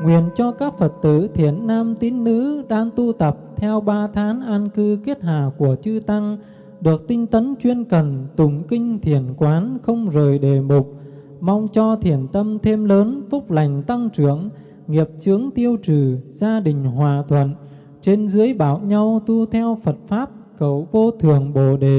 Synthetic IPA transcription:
ŋwḭ˧˨ənt͡ɕɔ˧kaː˦˥k̚fə˨˩t̚t̪ɨ̰˧˩t̪ʰi˧˩ənːaː˧mt̪i˨˦nːɨ̰˧˥ɗaː˧ŋt̪u˧t̪ə˨˩p̚t̪ʰɛ˧wɓaː˧t̪ʰaː˨˦nʔaː˧nkɨ˧ke˦˥t̚ha̰ː˧˨ku˧˩ət͡ɕɨ˧t̪a˧ŋ | ɗɨ˨˩ək̚t̪ï˧ŋ̟t̪ə˨˦nt͡ɕwi˧ənkə˨˩nt̪ʊ˧˩ŋ͡mkï˧ŋ̟t̪ʰi˧˩ənkwaː˨˦nxə˧wŋ͡mzəː˨˩jɗe˨˩mʊ˨˩k͡p̚ | ma˧wŋ͡mt͡ɕɔ˧t̪ʰi˧˩ənt̪ə˧mt̪ʰe˧mləː˨˦nfʊ˦˥k͡p̚la˨˩jŋ̟t̪a˧ŋt͡ɕɨ˧˩əŋ | ŋi˨˩əp̚t͡ɕɨ˨˦əŋt̪i˧əwt͡ɕɨ˨˩z̥aː˧ɗï˨˩ŋ̟hwaː˨˩t̪ʰwə̰˧˨n | t͡ɕe˧nzɨ˨˦əjɓaː˧˩wɲa˧wt̪u˧t̪ʰɛ˧wfə˨˩t̚faː˦˥p̚ | kə˧˩wvo˧t̪ʰɨ˨˩əŋɓo˧˩ɗe˨˩˨

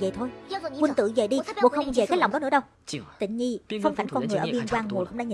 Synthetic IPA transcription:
və̰˧˨jt̪ʰo˧jwi˧nt̪ɨ̰˧˨və˨˩jɗi˧ɓo̰˧˨xə˧wŋ͡mve˨˩kaː˦˥jla˨˩ŋ͡mɗɔ˨˦nɨ˧˥˦ɗə˧w | t̪ḭ˧˨ŋ̟ɲi˧fə˧wŋ͡mfaː˨˧˩nkɔ˧nŋ˨˩jʔəː˧˩ɓi˧ə˧nkwaː˧ŋm˨˩kʊ̰˧˥ŋ͡mɗa̰ː˧ɲi˨

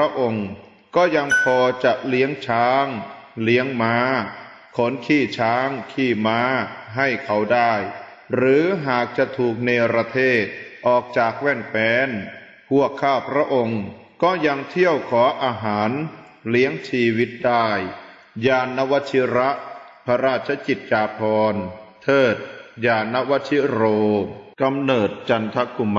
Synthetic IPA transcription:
ɾa˦˥ʔo˧ŋ | kɔː˥˩ja˧ŋpʰɔː˧t͡ɕa˨˩ʔli˦˥əŋt͡ɕʰaː˦˥ŋli˦˥əŋmaː˦˥ | kʰo˩˦˥nkʰiː˥˩t͡ɕʰaː˦˥ŋkʰiː˥˩maː˦˥ɦa˥˩jkʰa˦˥˩wdaː˥˩j | ɾɯː˨˦ɦaː˨˩k̚t͡ɕa˨˩t̪ʰuː˨˩k̚neː˧wɾa˧t̪ʰeː˥˩t̪̚ʔɔː˨˩k̚t͡ɕaː˨˩k̚wɛː˥˩ŋfɛː˨˧˥n | pʰu˥˩əkʰːaː˥˩pʰɾa˦˥ʔo˧ŋ | kɔː˥˩ja˧ŋt̪ʰi˥˩əwkʰɔː˩˦ʔaː˧ɦaː˩˦n | li˨˦˥əŋt͡ɕʰiː˧wi˦˥t̪̚daː˥˩j | jaː˧nːa˦˥wa˦˥t̪̚t͡ɕʰi˦˥ɾa˦˥ʔpʰa˧ɾaː˥˩t̪̚t͡ɕʰa˧˥t͡ɕi˨˩t̪̚t͡ɕaː˧pʰɔː˧nt̪ʰɤː˥˩t̪̚jaː˧nːa˦˥wa˦˥t̪̚ʰi˦˥ɾoː˧ka˧mnɤː˨˩t̪̚t͡ɕa˧nt̪ʰa˦˥ku˧m

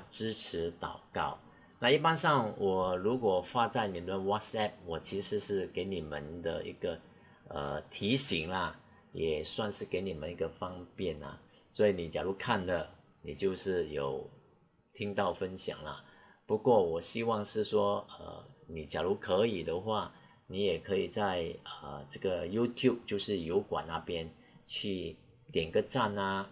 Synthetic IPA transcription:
ʈ͡ʂɻ̩˥ʈ͡ʂʰɻ̩˧˥t̪ɑ˨˩ʊkɑ˥˩ʊ | na˥˧i˥˩pa˥nʂɑ˥˩ŋwʔɔ˨˩ɻu˧˥kwɔ˨˩fa˥˧t͡sa˥˩ɪni˨˩əd̪ə˧wa˥tsɛ˥˩p̚wɔ˨˩t͡ɕʰi˧˥ʂɻ̩˧˥˦ʂɻ̩˥˩ke˧˥ɪni˨˩mə̰˦nd̪ə˧ḭ˧˥ɡ̥ə˧ | ə̰˧t̪ʰi˧˥ɕi˧˥ŋlɐ˧ | jɛ˨˩swa˥˧nʂɻ̩˥˩ke˧˥ɪni˨˩mə˦ni˧˥ɡə˧fɑ˥ŋpjɛ˥˩nɐ̰˨˩ | swɔ˧˥i˧˥ni˨˩t͡ɕjɑ˨˩lu˧˥kʰa˥˩nd̪ə˩ | ni˨˩t͡ɕjo˥˧ʊʂɻ̩˥˩jo˨˩ʊ | t̪ʰi˥ŋt̪ɑ˥˩ʊfə˥nɕjɑ̰˨˩ŋlɐ̰˦ | pu˧˥kwɔ˥˩wɔ˨˩ɕi˥wɑ˥˧ŋʂɻ̩˥˩ʂwɔ˥ə̰˧˩ni˨˩t͡ɕja˨˩lu˧˥kʰɤ˧˥i˨˩d̪ə˦xwa˥˩ | ni˧˥jɛ˨˩kʰɤ˧˥i˨˩t͡sa˥˧ɪə˩ʈ͡ʂɤ˥˩ɡə˨ju˥t̪ʰju˥˧p̚t͡ɕjo˥˧ʊʂɻ̩˥˩jo˧˥ʊkwa̰˨˩na˥˧pjɛ˥n | t͡ɕʰy˥˧ | t̪jɛ˨˩nɡə˥˧ʈ͡ʂa˥˧nɐ˧

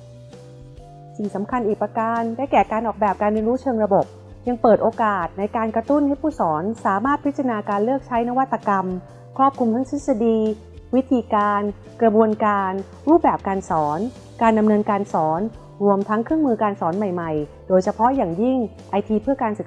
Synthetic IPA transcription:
si˨˩ŋsa˩˦mkʰa˧nʔiː˨˩k̚pa˧kaː˧ndaː˥˩kɛː˨˩kaː˧nʔɔː˨˩k̚bɛː˨˩p̚kaː˧nɾiː˧nɾuː˦˥t͡ɕʰɤː˧ŋɾa˧bo˨˩p̚ | ja˧ŋpɤː˨˩t̪̚ʔoː˧kaː˨˩t̪̚na˧jkaː˧nkɾa˧t̪u˥˩nha˥˩jpʰuː˥˩sɔː˩˦nsaː˩˦maː˥˩t̪̚pʰi˦˥t̪̚t͡ɕɾa˧naː˧kaː˧nlɯ˥˩ək̚t͡ɕʰa˦˥jna˦˥wa˥t̪ːa˧ka˧m | kʰɾɔː˥˩p̚kʰu˧mt̪ʰa˦˥ŋt̪ʰi˦˥t̪̚sa˧diː˧ | wi˦˥t̪ʰiː˧kaː˧n | kɾa˧bu˧ənkaː˧n | ɾuː˥˩p̚bɛː˨˩p̚kaː˧nsɔː˩˦n | kaː˧nda˧mnɤː˧nkaː˧nsɔː˩˦n | ɾu˧əmt̪ʰa˦˥ŋkʰɾɯ˥˩əŋmɯː˧kaː˧nsɔː˩˦nma˨˩jma˨˩j | doː˧jsʰa˧pʰɔ˦˥jaː˨˩ŋji˥˩ŋ | ʔa˧jt̪ʰiː˧pʰɯ˥˩ɐkaː˧nsɯ˨˩k

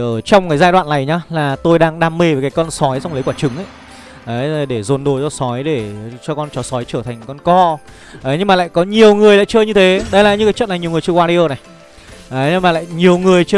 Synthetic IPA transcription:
ʔəː˧˩t͡ɕɔ˧wŋ͡mkaː˨˦jzaː˧jɗwa̰ː˧˨na˨˩jɲaː˨˧laː˨˩t̪o˧jɗaː˧ŋɗaː˧mːe˧vkaː˨˦jkɔ˧nsɔ˨˦jt͡ɕɔ˧ŋ͡mljkwaː˧˩t͡ɕɨ˨˦ŋʔə˧˦j | ʔə˨˦jɗe˧˩zo˨˩nɗo˨˩jzɔ˧sɔ˨˦jɗe˧˩t͡ɕɔ˧kɔ˧nt͡ɕɔ˨˦sɔ˨˦jt͡ɕəː˧˩t̪ʰa˨˩ŋ̟kɔ˧nkɔ˧ | ʔə˨˦jɲɨ˧ŋmaː˨la̰ː˧˨jkɔ˨˦ɲi˨˩əwŋɨ˨˩əjla̰ː˧˨jt͡ɕəː˧ɲɨ˧t̪ʰe˨˦ɗə˧jlaː˨˩ɲɨ˧kaː˨˦jt͡ɕə˧˨n˨˩jɲi˨˩wŋ˨˩t͡ɕə˧kwaː˧i˧ʔəː˧˩na˨˩j | ʔə˨˦ɲɨ˧maː˨˩la̰ː˧˨jjɲi˨˩əwŋɨ˨˩əjt͡ɕː

